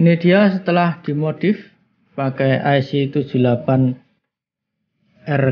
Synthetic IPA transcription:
ned̪̥iasət̪əlahd̪̥i̤mot̪ɪf | pakɛjʔajsit̪u̥d͡ʒ̥ṳlapan | ɛr

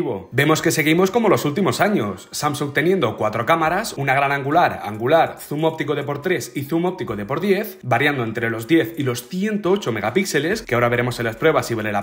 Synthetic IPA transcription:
βo̞be̞mo̞ske̞se̞ɣ̞imo̞sko̞mo̞lo̞sult̪imo̞saɲo̞sːamsuŋt̪e̞njend̪o̞kwat̪ɾo̞kamaɾasunaɣ̞ɾanãŋɡulaɾa̰ŋɡulaɾθumo̞p̚t̪ikoðe̞po̞ɾt̪ɾe̞siθumo̞p̚t̪ikoðe̞po̞ɾðje̞θbaɾjand̪oent̪ɾe̞lo̞zd̪je̞θilo̞sθje̞nt̪oot͡ʃome̞ɣapikse̞le̞skeaaoɾaβe̞ɾe̞mo̞selaspɾwe̞βasiβeɾela

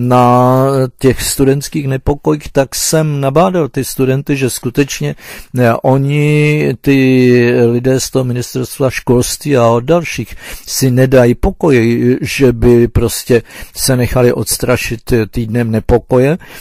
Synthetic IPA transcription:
na | cɛxst̪udɛnt̪kiːxnɛpo̞ko̞jiːxt̪aksɛmnabaːdalt̪ɪst̪udɛnt̪ɪʒɛskut̪ɛt͡ʃɲɛʔo̞ɲɪt̪ɪ | lɪdɛːst̪oɦomɪnɪst̪ɛɾst̪vaʃko̞lst̪viːaoddalʃiːxsɪnɛdajipo̞ko̞jɪʒɛbɪpɾo̞scɛsɛnɛxalɪʔo̞t̪st̪ɾaʃɪt̪t̪iːdnɛmnɛpo̞ko̞jɛ

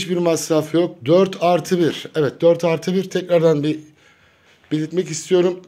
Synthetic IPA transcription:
ʃbiɾmasɾaːfjo̞k̚d̪øɾt̪ʰaɾt̪ʰɯbiɾ̥ɛvɛt̪̚d̪øɾt̪ʰaɾt̪ʰɯbiɾt̪ʰɛcɾaɾd̪anbi | b̥ilʲit̪mɛcist̪ʰijo̞ɾum

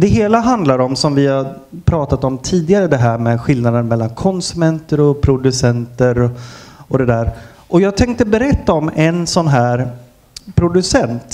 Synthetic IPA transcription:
d̪ɛɦeːlaɦand̪laɾɔmsɔmvɪhaɾ | pʰɾɑːt̪at̪ɔmt̪ʰiːd̪ɪɡaɾəd̪ɛɦæːɾmɛɧɪlnad̪ənmɛlːankʰɔnsɵmɛnt̪əɾɔpʰɾʊd̪ɵsɛnt̪əɾɔɔd̪ɛd̪æːɾ | ʔɔjɑːɡ̚t̪ʰɛŋk̚t̪əbɛɾɛt̪ːaɔmɛnsɔnɦæːɾ | pʰɾʊd̪ɵsɛnt̪

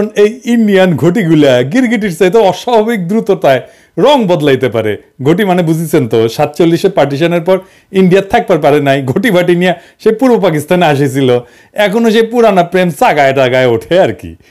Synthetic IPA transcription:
onejinɖijanɡʱoʈ̬iɡulaɡiɾɡiʈ̬iʈsajt̪oɔʃabʱabik̚d̪ɾut̪ot̪ae | ɾɔŋbɔd̪lajt̪epaɾḛ | ɡʱoʈ̬imanebud͡ʑʱit͡ɕʰent̪oʃat̪t͡ɕolːiʃepaɾʈ̬iʃ̬aneɾpɔɾ | iɳɖijat̪ʰːak̚paɾpaɾenajɡʱoʈibʱaʈinija | ʃejpuɾbopakist̪aneaʃ̬et͡ɕʰilo | ɛkʰonoʃ̬ejpuɾanapɾemsaɡaeʈaɡaeoʈʰeaɾkḭ

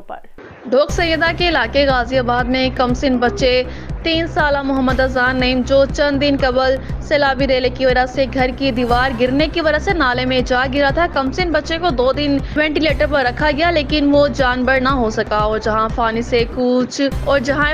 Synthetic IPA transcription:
ɖʱoːksɐ̃jjəd̪akeɪlaːkeɣaːzijabaːd̪mẽkɐmsɪnbɐtːʃet̪iːnsaːlamʊɦəmːəd̪ɐzaːnːɐimd͡ʒoːt͡ʃɐ̃nd̪d̪ɪnkɐbəlseːlaːbiɾeːlekiʋɐd͡ʒəseɡʱɐɾkid̪iʋaːɾɡɪɾnekiʋɐd͡ʒəsenaːlemẽd͡ʒaːɡɪɾat̪ʰakɐmsɪnbɐtːʃekod̪oːd̪ɪnʋɛ̃ːɳʈileːʈəɾpɐɾːɐkʰaɡɐjaleːkɪnʋod͡ʒaːnbəɽnaɦosɐkaɔːɾd͡ʒɐɦãpʰaːnisekʊt͡ʃʰɔːɾd͡ʒɐɦã

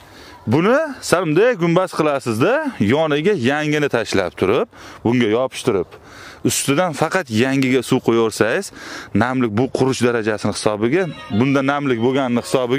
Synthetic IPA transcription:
bʊnɪsaɾmd̪aɡʲʊmbasqʰɨlˠasɪzd̪ajɒnɪɡʲajaŋɪnɪt̪ʰaʃla̰p̚t̪ʰʊɾɪp̚bʊŋɡʲajɒpʰɪ̥ʃt̪ʰʊɾɪp | ʊst̪ɪd̪anfɑqʰɑt̪jaŋɪɡʲasuwqʰojaoɾsajɪz̥namlɪk̚ʲbʊqʰʊɾʊt͡ʃd̪aɾad͡ʒasɪnɪhɪ̥sɒbɪɡʲabʊnd̪anamlɪkʲboɡʲanɪːɪhɪ̥sɒbɪɡʲa

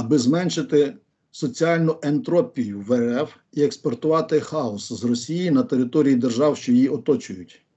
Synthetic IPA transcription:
ɐbɪzmɛnʃɪt̪ɪ | sɔt͡sʲiɑlʲnʊʔent̪ɾɔpʲijʊʋeɛf | iekspɔrt̪ʊʋɑt̪ɪxɑɔszrɔsʲijinɐt̪eɾɪt̪ɔɾʲijid̪erʒɑwʃt͡ʃɔjiɔt̪ɔt͡ʃʊjʊtʲ

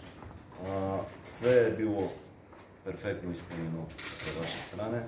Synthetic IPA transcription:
svɛːbilˠɔ | pɛɾfɛkt̪noisponʲɛnosɛvaʃist̪ɾanɛ

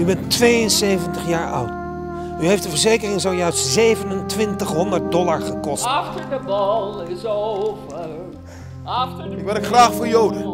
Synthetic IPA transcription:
ybɛntʋeːjənseːvəntəχjaːɹɔ̰wt | yɦejftdəvəɹzeːkərɪŋzowjœɥstzeːvənəntʋɪntəχɦɔndərt̚dɔlaɹχəkɔstɑxtəɹdəbɑlzovə | ɑxtəɪkʋɪlətχraːχfoːɹjowdən

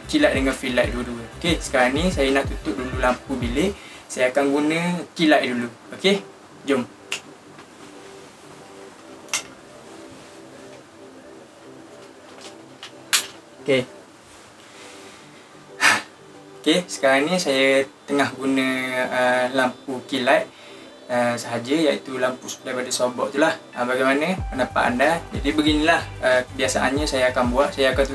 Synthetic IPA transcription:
t͡ʃilaʔdəŋanfilaʔduluokesə̥kaɾaŋnĩsajanaʔt̪ut̪ʊʔ̚dululampubilɪsajakanɡunə̃t͡ʃilaʔdulu | oke | d͡ʒʊm | o | oke | okesə̥kaɾaŋnisajat̪əŋahɡunə̃əlampukilaʔ | əsəɦad͡ʒəja̰ʔḭt̪ulampusdaipadasɔmbɔ̰ʔt̪ulahʔəbaɡajmanə̃pənapa̰ʔa̰ndad͡ʒadibəɡinilahəkəbiasaʔanɲãsajaːkanbuaʔsajaakant̪u

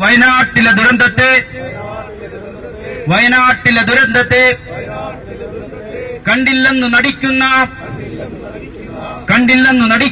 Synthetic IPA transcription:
ʋɐjnaːʈːilɐd̪uɾɐnd̪ɐt̪eː | ʋɐjɐnaːʈːilɐd̪uɾɐnd̪ɐt̪eː | kɐɳɖilːɐnːunɐɽikːunːɐ | kɐɳɖilːɐnːunɐɽi

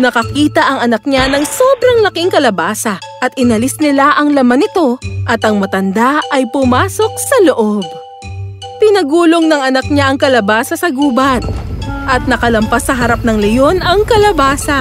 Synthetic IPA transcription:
nɐkɐkiːt̪ɐʔɐŋɐnɐk̚ɲanɐŋsobɾɐŋlɐkɪŋkɐlɐbaːsɐʔɐt̪ɪnɐlɪsnɪlaʔɐŋlɐmanɪt̪o̞ʔɐt̪ɐŋmɐt̪ɐnd̪aʔɐjpʊmaːso̞k̚sɐlo̞ʔob̚ | pɪnɐɡuːloŋnɐŋɐnɐk̚ɲaʔɐŋkɐlɐbaːsɐsɐɡuːbɐt̪̚ʔɐt̪̚nɐkɐlɐmpasːɐɦɐɾap̚nɐŋlɛjo̞nɐŋkɐlɐbaːsɐ

